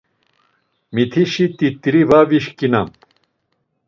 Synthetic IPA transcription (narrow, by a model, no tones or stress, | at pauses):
mit̪ʰiɕit̪it̪ɾivaviɕkinɐm